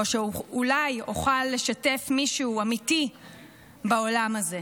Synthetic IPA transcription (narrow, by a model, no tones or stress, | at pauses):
oʃeuulajoχalːe̞ʃate̞fmiʃuːamiti | baolamaze̞